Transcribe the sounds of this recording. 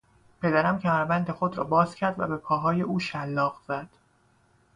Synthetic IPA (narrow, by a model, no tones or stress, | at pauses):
pʰe̞d̪æɾæmcʰæmæɾbænd̪e̞xo̞d̪ɾɒ̰ːbɒːz̥cʰæɾd̪væ̰be̞pʰɒːɦɒːje̞ʔuːʃælːɒːɣz̥æd̪̥